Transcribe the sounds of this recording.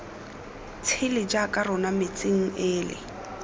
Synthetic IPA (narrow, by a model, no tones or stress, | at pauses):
t͡sʰɪlɪd͡ʒakʼarʊnamɪt͡sʼɪŋ̩ɪːlɪ̰